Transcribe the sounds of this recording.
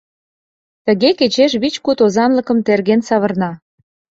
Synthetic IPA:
t̪ə̆ɣeket͡ɕeʃβit͡ɕkut̪ozɑnlə̆kə̆mt̪erɣensɑβə̆rnɑ

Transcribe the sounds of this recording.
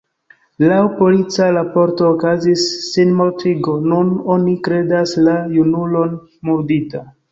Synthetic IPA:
lawpo̞lit͡saɾapo̞ɾto̞ːkazisːinmo̞ɾtiɡo̞nunonikɾe̞daslajunulo̞n | muɾdita

